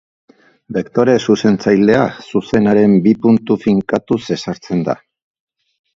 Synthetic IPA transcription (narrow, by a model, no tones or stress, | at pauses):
be̞kt̪o̞ɾe̞suse̞nt͡sajld̪e̞asuse̞naɾe̞mbipunt̪ufiŋkat̪use̞saɾt͡se̞nd̪a̰